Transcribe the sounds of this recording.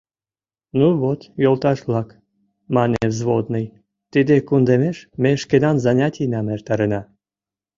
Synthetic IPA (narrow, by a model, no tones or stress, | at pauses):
nuβot̪jolt̪ɑʃβlɑk | mɑneevzβod̪nəj | t̪id̪ekund̪emeʃmeʃkenɑnzɑnʲɑtʲinɑmert̪ɑɾenɑ